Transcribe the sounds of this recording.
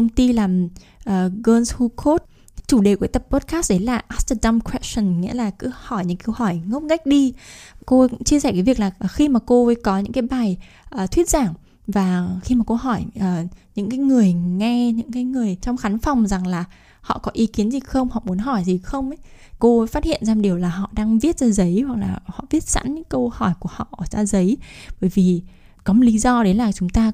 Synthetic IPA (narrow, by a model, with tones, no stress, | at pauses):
ə˧wŋ͡mt̪i˧laː˨˩m | ʔəː˨˩ɣəː˧nshu˧kʰo˦˥t̚ | t͡ɕu˧˩ɗe˨˩kwu˧˩˦t̪ə˨˩p̚ːo˦˥t̚kaː˦˥st̚ɗə˨˦jlaː˨˩ʔa˦˥st̪ə˧ɗa˧mkʰwɛ˦˥sə˨˩nŋḭ˧˥laː˨˩kɨ̰˧˥hɔ˧˩jɲɨ̰˧˥ŋkə˧whɔ˧˩jŋə˦˥m̚ka˦˥jk̟̚ɗi˧ko˧kʊ̰˧˥t͡ɕi˧s̬ɛ˧˩kaː˨˦vi˨˩ək̚laː˨˩ʔxi˧maː˨˩ko˧˨˦kɔ˨˦ɲɨ̰˧˥ŋkaː˨˦jɓaː˨˩j | ʔəː˨˩t̪ʰwi˦˥t̚z̥aː˧˩ŋ | vaː˨˩xi˧maː˨˩ko˧ɦɔ˧˩jʔəː˨˩ɲɨ̰˧˥ŋkaː˨˦jŋɨ˨˩əjŋɛ˧ɲɨ̰˧˥ŋkaː˨˦jŋɨ˨˩əjt͡ɕɔ˧wŋ͡mxa˨˦nfa˨˩wŋ͡mza˨˩ŋlaː˨˩ | hɔ̰˧˨kɔ˨˦ʔi˨˦ki˨˦ənzi˨˩xə˧wŋ͡mhɔ̰˧˨mu˨˦ənɦɔ˧˩jzi˨˩xə˧wŋ͡mʔj | ko˧˨faː˦˥t̚hḭ˧˨ənzaː˧mɗi˨˩əwlaː˨˩ɦɔ̰˧˨ɗaː˧ŋvi˦˥ət̚zaː˧zə˨˦jhwa˨˩k̚laː˨˩hɔ̰˧˨vi˦˥ət̚za̰˧˥nɲɨ̰˧˥ŋkə˧whɔ˧˩jku˧˩əhɔ̰˧˨ʔt͡ɕaː˧zə˨˦jɓəː˧˩jvi˨˩ | kɔ˨˦mo˨˩li˨˦zɔ˧ɗe˨˦laː˨˩t͡ɕʊ˨˦ŋ͡mt̪aː˧